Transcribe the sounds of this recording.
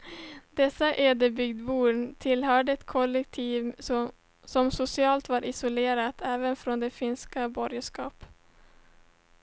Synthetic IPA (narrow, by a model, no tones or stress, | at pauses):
d̪ɛsːaʔeːd̪əbʏɡd̪buːɳt̪ʰɪlɦœːɖəɛt̪kʰɔlːɛk̚t̪ʰiːv | sɔmsʊsɪɑːlt̪vɑːɾʔɪsʊleːɾat̪ʰɛːvənfɾoːnd̪ɛfɪnskabɔɾjəʂkɑːp